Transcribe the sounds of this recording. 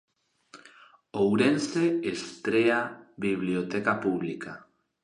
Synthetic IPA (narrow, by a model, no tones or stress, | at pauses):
owɾenseest̪ɾeaβiβliot̪ekapuβ̞lika